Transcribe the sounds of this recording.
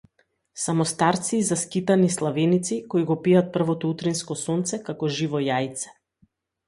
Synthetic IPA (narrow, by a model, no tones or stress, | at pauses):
samɔst̪aɾt̪siːzaskit̪anislˠavɛnit̪sikɔiɡɔpiat̪̚pr̩vɔt̪ɔut̪ɾinskɔsɔnt̪sɛkakɔʒivɔjajt̪sɛ̥